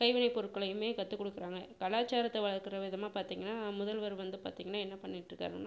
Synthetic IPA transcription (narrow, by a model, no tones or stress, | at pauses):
kɐɪʋɪnɐɪpːɔɾɯkːɐɭɐjɯmeːkɐt̪ːɯkːɔɽɯkːɪɾaːŋɡɐkɐlaːt͡ʃːaːɾɐt̪ːɐʋɐɭɐɾkɪɾɐʋɪðɐmaːpaːɾt̪iːŋɡɐnːaːmʊðɐlʋɐɾɯʋɐnd̪ɯpa̰ːɾt̪iːŋɡɐnːaːɛnːɐpɐɳːɪʈːɾɯkːa̰ːɯ